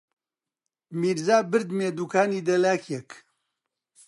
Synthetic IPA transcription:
miːɾzaːbɨɾd̪meːd̪uːkʰaːniːd̪ɐlaːkʰjɛk

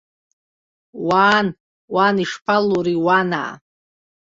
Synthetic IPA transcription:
waːn | waniʂpʰaluɾiwana̰

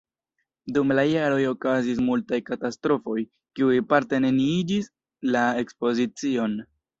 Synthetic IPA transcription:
dumlajaɾo̞jo̞kazis̬multajkatastɾo̞fo̞j | kiuipaɾte̞ne̞niid͡ʒis | lae̞kspo̞zit͡sio̞n

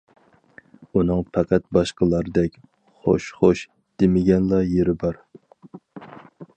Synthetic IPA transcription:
unɨŋpʰæqʰæt̪̚bɑʃqəlˠɑɾɨd̪ɛkʲ | χo̰ʃχoʃ | d̪̥ɪmɪɡʲɛnlˠɑjeɾɪbɑɾ

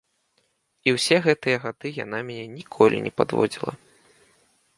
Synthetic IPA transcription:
iwsʲɛɣɛt̪ɨjɐɣad̪ɨja̰namʲnʲɛnʲikʰɔlʲḭnʲɛpa̰d̪vɔ̰d͡zʲilˠɐ̰

